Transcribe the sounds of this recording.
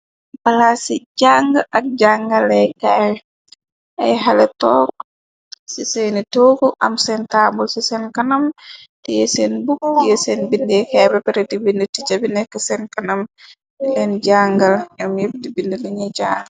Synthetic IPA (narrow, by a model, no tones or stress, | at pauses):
balasid͡ʒaŋɡaʔak̚d͡ʒaŋɡalːɛjkaj | ʔɛ̰jɦalɛtɔk̚ | sisɛnitoɡuʔa̰msɛntaːbulsisɛnkanamtijesɛnbuk̚jesɛnbindɛkɛːbɛpɛɾɛtibinditit͡ʃabinɛkɛsɛnkanam | tilɛnd͡ʒaŋɡaljamjeb̚dibindiliɲɛd͡ʒaŋ